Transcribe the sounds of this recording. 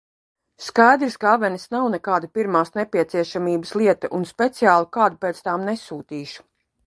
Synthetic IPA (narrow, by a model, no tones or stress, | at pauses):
skajd̪ɾskavɛnisnawnɛkaːd̪apʲiɾmaːsnɛpʲiɛt̪siɛʃamiːbəslˠiɛt̪ɐʔunspʲet̪siaːlˠukaːd̪upeːt̪st̪aːmnesuːt̪iːʃu̥